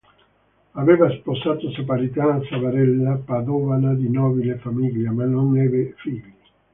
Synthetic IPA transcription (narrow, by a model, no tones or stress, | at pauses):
aveːvasposaːt̪osapaɾit̪aːsavaɾɛlːapad̪ɔːvanad̪inɔːbilefamiʎjamanːonːɛːvefiʎːi